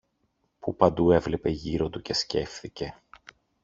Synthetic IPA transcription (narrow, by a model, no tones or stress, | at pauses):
pupɐnd̪ue̞vle̞pe̞ʝiɾo̞t̪uce̞sce̞fθice̞